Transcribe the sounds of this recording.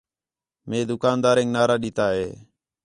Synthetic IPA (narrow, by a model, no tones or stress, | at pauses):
mẽːd̪ʊkaːnd̪aːɾẽːŋnaːɾaːɗiːt̪aːɦeː